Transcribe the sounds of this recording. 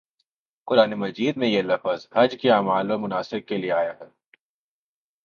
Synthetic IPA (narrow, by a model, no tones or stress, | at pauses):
qʊɾaːnemɐd͡ʒiːd̪mẽjelɐfəzhɐd͡ʒkiaːmaːlõmʊnaːsɪb̚kelieaːjaɦɛː